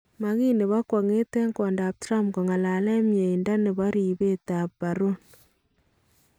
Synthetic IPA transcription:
ma˨ɣi˦ne˨βa˦kwa˨ŋe˦tɛ˦ŋkɔ˨nda˨p̚tɾa˦mko˨ŋa˨la˨lɛ˦mje˨i˨nda˦ne˨bɔ˦ɾi˨be˦ta˨pba˨ɾo˦n

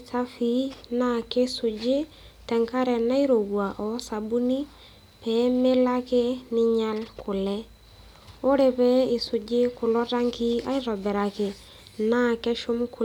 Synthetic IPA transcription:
ta˦fi˦na˦ke˦sʊ˨d͡ʒe˦ | tɛ˨ŋka˦ɾɛ˨na˦i˦ɾo˨ɡwa˨ʔɔ˨˦sa˨bu˦ni˦ | pɛ˨˦mɪ˦la˦ke˦nɪ˦ɲa˦lkʰʊ˨lɛ˦ | ʊ˦ɾe˨pɛ˦ɪ˨sʊ˨d͡ʒɪ˦kʊ˨lɔ˦ɾa˦ŋki˦a̰˦i˦ɾɔ˨bɛ˨ɾa˨kɪ˨ | na˦kɛ˦ʃʊ˦mkʊ˦

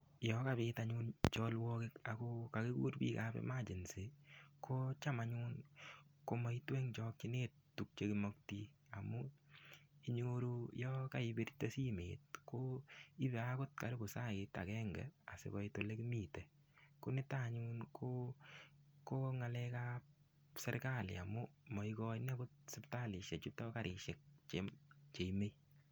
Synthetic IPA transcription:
jɔka˦βɪta˨ɲunt͡ʃɔlwɔ˦kɪka˨koka˨ke˦kṵː˦ɾbḭː˦kabɛ̰˦ma˦t͡ʃi˨nse˨ko˦t͡ʃa˦ma˨ɲuː˦nko˦mɔ˦i˦twɛ˦ŋt͡ʃɔ˧k̚t͡ʃi˦neː˦ttːu˨k̚t͡ʃe˦kimɔ˦k̚ti˦a˨mu˦ | i˦ɲoɾo˧jɔ˦ka˦i˧be˦ɾi˦te˦si˦mḛːt̚ko˦i˦be˨a˦ko˦t̚ka˨ɾi˦bo˨sa˦e˧ta̰˨kɛ˦ŋɡɛ̰˨a̰˨sḛkɔ˦ito˨le˦ki˦miː˨tɛ˨ | ko˦ne˦taɲuːnkʰo˦ | ko˦ŋa˧lɛ˧kap | sɛ̰˦ɾka˦lɪ̰˨a̰˨mu˦mɔ˨ikɔ˦ne˦ko˦t̚sɪpta˦lɪ˨ʃe˨t͡ʃu˦tɔ˦ka˦ɾɪ˧ʃek̚t͡ʃet͡ʃe˨ime˦j

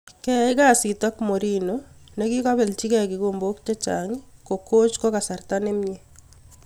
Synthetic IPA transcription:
kɛ˦ɪ˦ka˦si˨tɔ˦kmo˨ɾi˦none˦kɪ˦kɔ˦βɛ˨lt͡ʃi˦kɛ˨kɪ˨ko˨mbo˦kt͡ʃɛ˦t͡ʃaŋɪ˦ko˨ko˦t͡ʃko˦ka˨sa˨rtane˦mje˦

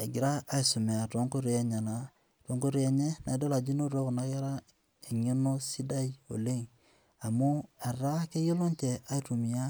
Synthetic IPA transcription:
e˨ɡi˨ɾaː˦i˨su˨me˨a˨two˦ŋko˦ɾi˨e˦ɲa˨na˨ | to˦ŋko˦ɾi˦e˨ɲe˦na˨i˨˦do˦la˨d͡ʒi˦no˦ɾo˦kna˨˦ja˦ɾa˦ | e˨ɲi˦no˦si˦da˦i˦o̰˨le˦ŋ | a˨mu˦a˨ɾa˦ke˦ji˦lo˦nt͡ʃe˨a˦i˦tu˨mi˨a˦

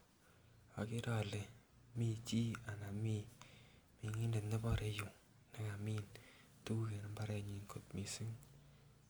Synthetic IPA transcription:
a˨kɪ˦ɾɔ˨le˨ | mi˦˨t͡ʃi˦a˨na˨mi˦ | mi˨ŋi˦nde˨tne˦bɔ˦ɾe˦ju˨ŋ | nɛ˦ŋa˨mi˦n | tu˦u˦ke˨na˦mba˦ɾɛ˦ɲi˨ŋko˨tmi˨si˦ŋ

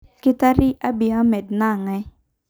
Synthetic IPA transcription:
kɪ˦t̪a˦ɾɪ˦ʔa˦bɪ˨a˦mɛ˨dna˦˨ŋɛ˦

